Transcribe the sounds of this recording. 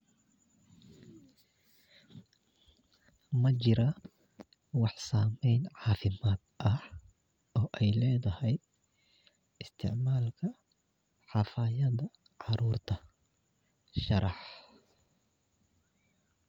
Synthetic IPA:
mɐt͡ʃɪɾɐ | wɑħsaːmɛjnʕɑːfɪmaːd̪ʔɐh | ʔɔːʔɛjlɛːðɐhɛj | ɪst̪ʰɪ̰ʕmaːlkʰɐ | ħɑfɐjɐðɐ | ʕɑɾuːrt̪ʰɐ | ʃɑɾɑħ

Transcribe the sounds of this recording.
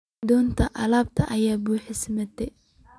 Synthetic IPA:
d̪ɔːnt̪ʰɐʔɐlaːb̚t̪ʰɐʔɐjaːbuːħɪsmɐt̪ʰɛ

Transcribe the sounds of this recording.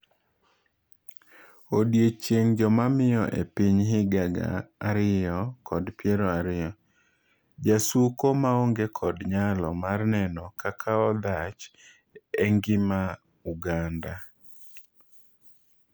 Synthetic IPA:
odjet͡ʃjeŋd͡ʒɔmamɪjɔʔḛpiɲɦɪɡaɡa̰aɾɪjɔkʰɔdpjeɾoaɾɪjɔ | d͡ʒasukomaoŋɡekʰɔdɲalɔmarnɛnɔkakʰaɔd̪at͡ʃ | eŋɡɪma | uɡanda

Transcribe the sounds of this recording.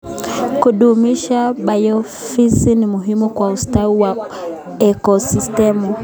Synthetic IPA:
kuɗumiʃaɓajɔ | fisinimuɦimukwaustauwa | ɛkɔsistɛmu

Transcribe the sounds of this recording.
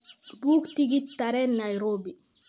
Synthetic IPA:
buːktiɡitːaɾɛnajɾoːbi

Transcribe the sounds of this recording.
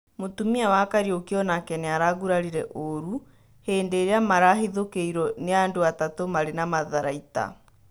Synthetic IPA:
motumiawakaɾiokeɔnakɛnɛaɾaɣuɾaɾiɾɛʔoɾu | heːndeːɾeamaɾaɦeðokeiɾɔneandoatatomaɾenamaðaɾaita̰

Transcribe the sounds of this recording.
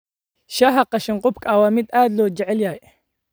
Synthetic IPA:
ʃɐɦɐqɑʃɪɴqʊbkʰawaːmɪd̪aːd̪lɔːd͡ʒɛʕɛljaːj

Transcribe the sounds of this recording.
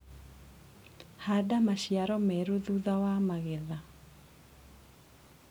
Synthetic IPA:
hadamaʃiaɾɔmɛɾuðuðawamaɣɛða

